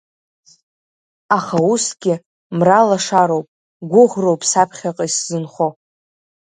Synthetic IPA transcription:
aχausɡʲɪ | mralaʂaɾo̞wpʼ | ɡʷʊʁro̞wpʼsapʰχʲaqʼaiszɨnχo

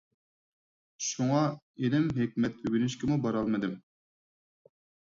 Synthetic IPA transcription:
ʃuŋɑ | enɪmɦekʲmɛt̪ywynyʃkʲɪmubɑɾɑlˠmɨd̪ɨm

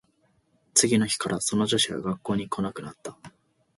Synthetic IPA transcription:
t͡sɨɡʲino̞çi̥kaɾʔaso̞no̞ʑo̞ɕiɡa̰ɡakːo̞ːɲ̟ikʰo̞nakɯ̟nat̪ːa

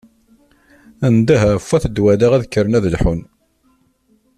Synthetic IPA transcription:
ænd̪æɦfæθəd̪wælæʁæðəkːəɾənæðəlħʊn

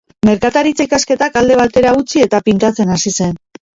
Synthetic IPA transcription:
me̞ɾkat̪aɾit͡seikaske̞t̪akald̪e̞β̞at̪e̞ɾaut͡sie̞t̪apint̪at͡se̞nasise̞n

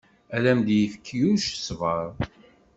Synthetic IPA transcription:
ælæmd̪jəfəkʰːjuʃsvəɾˤ

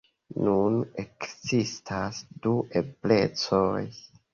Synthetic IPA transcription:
nunekzistʰasdueple̞t͡soj

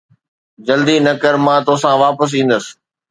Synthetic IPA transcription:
d͡ʑɐld̪inɐkəɾmãːt̪osãʋaːpəs̬ĩːn̆d̪əsɪ̥

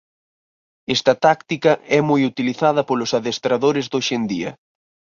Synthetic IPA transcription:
ɛst̪ɐt̪akt̪ikɐɛmojut̪iliθað̞ɐpolʊsaðest̪ɾaðoɾɪzðoʃend̪iɐ̰

